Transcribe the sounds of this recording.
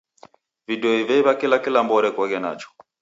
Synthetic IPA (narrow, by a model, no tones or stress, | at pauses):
vidɔivɛiβakilakilambɔɾɛkwaɣɛna̰t͡ʃɔ̥